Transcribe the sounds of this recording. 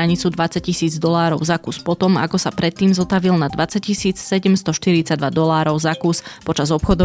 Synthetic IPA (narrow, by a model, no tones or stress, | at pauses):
aɲit͡sud̪ʋat͡sac̚cisiːd͡zd̪ɔlaːɾɔʊzakuspɔt̪ɔma̰kɔsapɾɛt̪ːiːmzɔt̪aʋilnad̪ʋat͡saccisiːt͡ssɛɟɛmst̪ɔʃt̪iɾit͡saɟd̪ʋad̪ɔlaːɾɔʊzakuːspɔt͡ʃazɔpxɔd̪ɔ